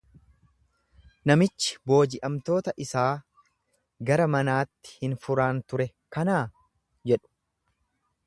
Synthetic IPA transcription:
nɐmɪt͡ʃːɪ̥bo̞ːd͡ʒɪʔɐmt̪o̞ːt̪ɐʔɪsaː | ɡɐɾɐmɐnaːt̪ːɪ̥hɪnfʊɾaːnt̪ʊɾɛ | kɐnaː | d͡ʒɛᶑʊ̥

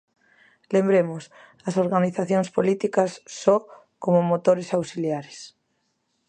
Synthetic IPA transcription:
lembɾemos | ɐsoɾɣaniθaθjoŋspolit̪ikɐsːo | komomot̪oɾesawsiljaɾes

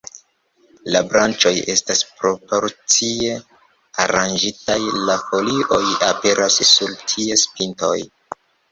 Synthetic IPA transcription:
labɾant͡ʃo̞je̞staspɾo̞po̞ɾt͡sie̞ | a̰ɾand͡ʒitajlafo̞lio̞jape̞ɾʔassuɾtʰie̞spinto̞̰j

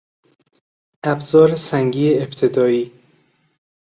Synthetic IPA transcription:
ʔæbzɒːɾesæŋɟiːeebt̪ʰed̪ɒːiː

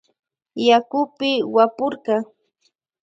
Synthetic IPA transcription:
jakʊpɪwapʊɾɢɑ

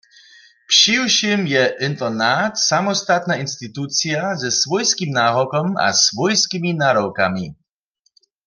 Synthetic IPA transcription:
pʂiwʃimjɛʔɪnt̪ɔnat̪samɔst̪at̪nainst̪it̪ut͡siazɛsvɔjskimnaːɦɔkɔma̰svɔjskiminaːɾɔwka̰mi

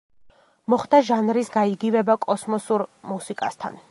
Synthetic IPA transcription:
mɔχd̪aʒanɾisɡaiɡivɛbakʼɔsmɔsuɾmusikʼa̰st̪ʰa̰n

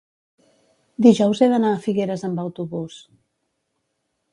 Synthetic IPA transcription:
d̪iʒɔwzeðənaːfiɣeɾəzəmbəwt̪uβus

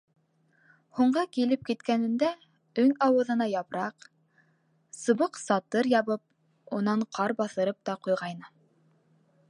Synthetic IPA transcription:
huɴɢɤkilɘp̚kit̪kænɘ̆nd̪æ | ɵŋɑwɤ̆ðɤ̆nɑjɑpɾɑq | sɤ̆βɤqsɑt̪ɤɾjɑβɤp̚ | unɑɴqʰɑɾbɑθɤ̆ɾɤp̚t̪ɑqujʁɑjnɤ

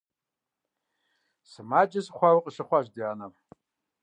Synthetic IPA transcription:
smad͡ʒʼɪsχʷawqʼʂɨχʷaʒʷdianam

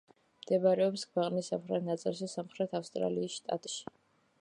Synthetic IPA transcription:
md̪̥ɛbaɾɛɔpskʰwɛqʼnisamχɾɛt̪ʰnat̪sʼilˠʃɛsamχɾɛt̪ʰafst̪ʼɾa̰liːsʃt̪ʼa̰t̪ʼʃi̥

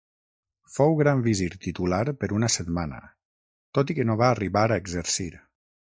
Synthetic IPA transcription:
fowɣɾaɱbiziɾt̪it̪ulaɾpəɾunəset̪manə̰ | t̪ot̪ikənoβaːriβaɾaeɡzəɾsiɾ

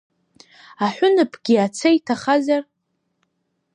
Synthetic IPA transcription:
aħʷᶣʊnɨpʰɡʲiat͡sʰajtʰaχazar

